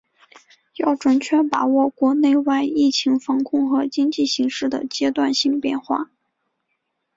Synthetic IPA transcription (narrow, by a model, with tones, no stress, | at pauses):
jɑ˥˩ʊʈ͡ʂwə˨˩nt͡ɕʰɥɛ˥npa˨˩wɔ˥˩kwɔ˧˥ne˥˧ɪwa˥˧ɪi˥˩t͡ɕʰi˧˥ŋfɑ˧˥ŋkʰʊ˥˧ŋxɤ˧˥t͡ɕi˥ŋt͡ɕi˥˩ɕi˧˥ŋʂɻ̩˥˩d̪ə̰˩t͡ɕjɛ˥t̪wa˥˧nɕi˥˧ŋpjɛ̰˥˧nxwa̰˥˩